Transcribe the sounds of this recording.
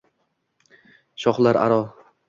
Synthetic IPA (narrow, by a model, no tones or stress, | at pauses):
ʃɒχlˠaɾa̰ɾɒ